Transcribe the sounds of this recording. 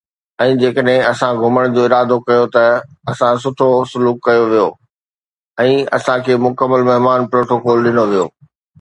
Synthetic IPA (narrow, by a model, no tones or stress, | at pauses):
ɛ̃ːd͡ʑeːkəɗɦɪ̃ɐsãɡʱʊməɽ̃d͡ʑoːɪɾaːd̪okɐjot̪ɐɐsãsʊt̪ʰosʊluːkːɐjoʋijoː | ɛ̃ːɐ̰sãkʰeːmʊkəmːəlmɐɦɪmaːnpɾoːʈokoːlɗɪnoʋijo̰ː